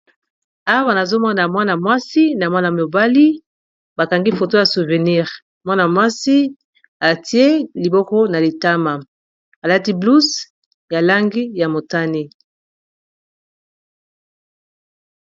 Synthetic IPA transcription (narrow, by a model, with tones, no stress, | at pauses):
a˦wa˦na˨zo˦mɔ˦na˨mwa˦na˨mwa˦si˦na˨mwa˦na˨mo˨ba˦li˦ | ba˨ka˨ŋɡi˦fo˨to˦ja˨su˨ve˨ni˦ʁ | mwa˦na˨mwa˦si˦ | a˨ti˦e˦li˨bɔ˦kɔ˦na˨li˨ta˦ma˨ | ba˨la˦ti˦blu˦s | ja˨la˦ŋɡi˦ja˨mo˨ta˦ni˦